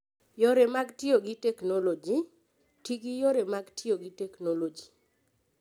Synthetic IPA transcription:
joɾemaɡtioɡitɛknolod͡ʒi | tiɡijoɾemaɡtioɡitɛknolod͡ʒi̥

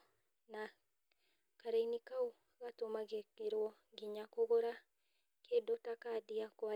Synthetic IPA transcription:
na | kaɾeinikau | ɣatomaɣekeɾwɔŋɡiɲakoɣoɾa | kʰeːdotakadiakwa

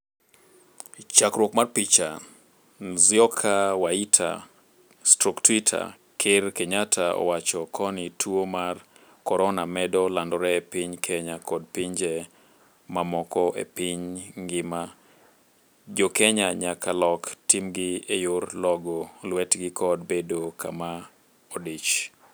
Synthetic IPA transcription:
t͡ʃakɾwɔkmarpit͡ʃa | nziɔkʰawaitʰa̰ | stɾɔktwitʰa̰ | kʰɪɾkɛɲatʰaɔ̰wat͡ʃɔkʰɔnitʰuomar | kɔɾɔnamɛdɔlandɔɾɛepiɲkʰɛɲakɔd̚piɲd͡ʒɛ | mamɔkɔʔḛpiɲŋɡɪma | d͡ʒokɛɲaɲakʰalɔktimɡɪejurlɔɡɔlwɛtɡikʰɔd̚bedokʰa̰ma | ɔdit͡ʃ

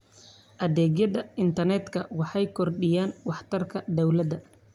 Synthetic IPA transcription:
ʔɐðɛːɡjɐðɐɪnt̪ʰɐrnɛt̪kʰɐwɑħɑjkʰɔrɗɪjaːnwɑħt̪ʰɐrkʰɐd̪ɐwlɐd̪ɐ

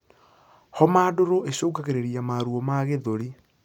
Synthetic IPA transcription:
hɔmaːdoɾoʔeɕoːɡaɣeɾeɾiamaɾuɔmaɣeðoɾi

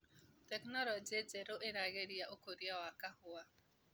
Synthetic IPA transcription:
tɛknɔlɔd͡ʒed͡ʒeɾoʔeɾaɣeɾiaokoɾiawakahʊa

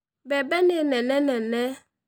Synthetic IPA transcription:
bɛbɛnenɛnɛnɛnɛ

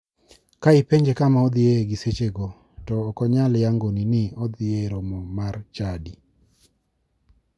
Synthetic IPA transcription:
kaɪpeɲd͡ʒekamaɔd̪ɪeɡiset͡ʃeɡɔ | tɔːkɔɲaljaŋɡoninɪɔd̪ɪjeɾomɔmart͡ʃadi

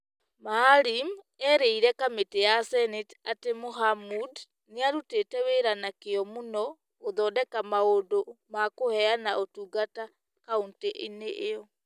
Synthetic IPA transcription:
malim | ɛɾeiɾɛkametejasɛnetatemoɦamud | neaɾuteːtɛweɾanakeɔmunɔː | ðɔːdɛkamaodomakohɛanaotuːɡata | kaunteʔeneʔeɔ

